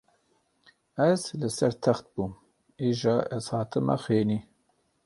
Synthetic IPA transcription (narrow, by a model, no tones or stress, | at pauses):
ɛzlɨsɛɾt̪ʰɛxt̪̚buːm | iʒɑːʔɛzhɑːt̪ʰɨmɛ̰xweːniː